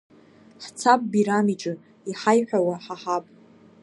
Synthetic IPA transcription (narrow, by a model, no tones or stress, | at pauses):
ħt͡sʰapʼbiɾamiʈ͡ʂʼɨ | iħajħᶣawaħaħapʼ